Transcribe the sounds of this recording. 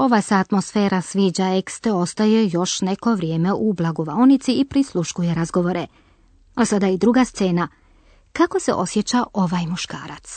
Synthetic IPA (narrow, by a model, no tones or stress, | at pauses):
o̞ʋasaːt̪mo̞sfeːɾasʋiːd͡ʑaekst̪eo̞st̪ajejo̞ʃneko̞ʋɾjeːmeʔublˠaɡo̞ʋaonit̪siːpɾislˠuʃkuje̞ɾazɡo̞ʋo̞ɾe | asad̪aid̪ɾuɡast̪se̞ːna | kako̞sḛʔo̞sje̞t͡ɕaʔo̞ʋajmuʃka̰ːɾat̪s